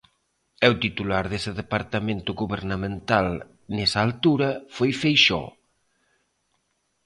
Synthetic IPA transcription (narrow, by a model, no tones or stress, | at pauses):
ɛwt̪it̪ulaɾðesɪðepaɾt̪amẽnt̪ʊɣuβeɾnamẽnt̪al | nesɐːlt̪uɾɐfojfejʃɔ̰